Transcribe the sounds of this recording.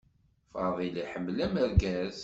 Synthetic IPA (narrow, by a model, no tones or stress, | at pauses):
fɑ̰ðˤiliħəmːlæməɾɡæz